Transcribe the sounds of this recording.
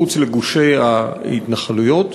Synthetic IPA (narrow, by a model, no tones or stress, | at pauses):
ut͡sleɡuʃejahitnaχalujo̞t